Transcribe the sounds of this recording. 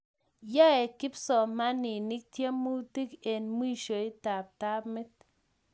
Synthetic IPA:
ja˦ɛ˨kɪ˦psɔ˨ma˦ni˨ni˦k̚tje˦mu˦ti˦kɛ˨nmwi˦ʃo˨jta˨p̚ta˦pmɪ˦t̚

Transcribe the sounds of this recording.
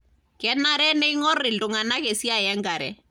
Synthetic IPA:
kɛ˨na˦ɾɛ˦nɛ˦i˦ŋɔ˦rɪ˨ldʊ˨ŋa˨na˦ke˨si˦a˨jɛ˦ŋɡa˨ɾɛ̰˨

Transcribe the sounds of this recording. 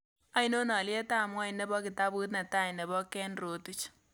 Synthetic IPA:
a˦ino˦nɔ˨lje˦ta˦˨mwa˦i˨nɛ˦bɔ˦ki˨ta˦bu˦t̬na˨ta˦jnɛ˨bɔ˦kɛ˦nro˨tu˨t͡ʃ

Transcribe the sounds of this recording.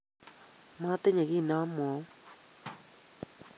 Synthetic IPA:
ma˦te˦ɲe˨ɣi˦˨na˦mwɔ˨˦

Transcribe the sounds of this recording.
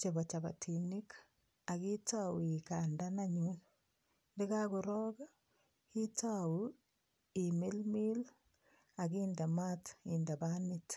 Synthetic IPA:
t͡ʃe˨ba˨t͡ʃa˨ba̰˨tʰini˦k | a˨ki˦ta˦wi˨ka˨nda˦na˦ɲu | ndɪ˦ka˦ko˨ɾɔ˦ɡa˦ | ki˦ta˦wu˦ | i˨mi˦lmi˦l | a˨ɡi˦nda˨ma˦ti˨nda˨ba˦nɪt

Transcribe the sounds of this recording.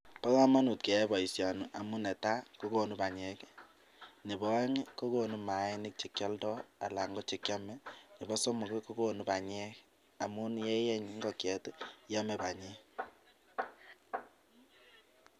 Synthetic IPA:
pa˦ka˦ma˦nu˨t̚kɛ˨ɛ˦bɔ˨i˨sja˨nu˨ʔa˨mu˦nɛ˨ta˦ko˦ko˨nu˦pa˨ɲɛ˦k | nɪ˨bɔ˦ɛ˦ŋi˦ko˦ko˨nu˦ma˨ɛ˦nɪ˦k̚t͡ʃi˨kjɔ˦ldɔ˦a˨la˨ŋɡɔ˦t͡ʃe˨kjɔ˦mɛ˦nɪ˨bɔ˦so˦mu˨kɪ˦ko˦ko˨nu˦pa˨ɲɛ˦k | a˨mu˦njɛ˦jɛ˦ɲi˨ŋɡɔ˦kjɛ˨tja˦mɛ˨ba˨ɲɛ˦

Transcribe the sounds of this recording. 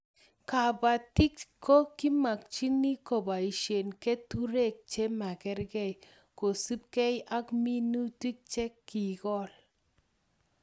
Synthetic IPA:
ka˨ba˨ti˦k̚kʰo˦ki˦ma˨k̚t͡ʃi˦ni˦ko˨ba˨i˨ʃe˨nke˦tu˦ɾe˦˨k̚t͡ʃe˦ma˨kɛ˦ɾɡɛ˦˨j | ko˨sɨ˦p̚kɛ˦ja˦kmi˦nu˦ti˦k̚t͡ʃɛ˦kːi˨kɔ˦˨l

